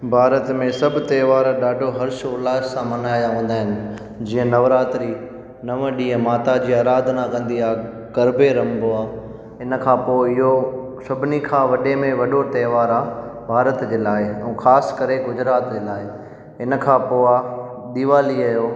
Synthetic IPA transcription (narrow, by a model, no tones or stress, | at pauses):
bʱaːɾət̪mẽsɐbʱʊ̆t̪eːʋaːɾɗaːɖʱoɦɐɾʃʊlaːsãmɐnaːjaʋɐ̃n̆d̪aːɦɪnɪ̆ | d͡ʑĩːə̃nɐʋɾaːt̪ɾi | nɐʋəɗiːə̃maːt̪ad͡ʑiːaːɾaːd̪ʱnakɐ̃nd̪iaː | kɐɾbeɾɐ̃mbʱoaː | ɪn̆kʰãːpoːɪɦo | sɐbʱɪnikʰãːʋɐɗemẽʋɐɗot̪ɐːʋaːɾaːbʱaːɾət̪d͡ʑeːlaːɪɛ̰̃ːxaːskɐɾeɡʊd͡ʑɾaːt̪d͡ʑeːlaːɪ | ɪn̆kʰãːpoːa | ɗ̪iːʋaːliajoː